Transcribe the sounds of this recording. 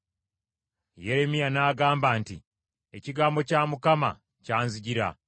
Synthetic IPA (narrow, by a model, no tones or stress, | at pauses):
je̞ɾe̞mijanaːɡaːmbaːnti | e̞ciɡaːmbo̞caːmukama̰ | caːnziɟiɾa̰